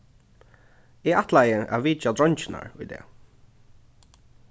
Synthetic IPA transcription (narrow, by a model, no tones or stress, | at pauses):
ɛaht̪lajəʔa̰viːt͡ʃad̪ɹɔɲt͡ʃɪna̰ɹʊ̰jd̪ɛ̰ː